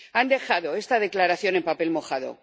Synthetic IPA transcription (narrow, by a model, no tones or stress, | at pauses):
and̪e̞xaðo̞e̞st̪aðe̞klaɾaθjone̞mpape̞lmo̞xaðo̞̰